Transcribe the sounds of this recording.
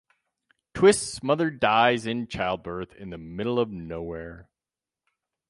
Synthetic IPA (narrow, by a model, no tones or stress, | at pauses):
tʰw̥ɪstsmʌðə˞daɪzɨ̃nt͡ʃʰaɪlˠd̚bɜ˞θɪ̰̃nðɨmɪɾl̩ˠʌvnoʊwɛɹ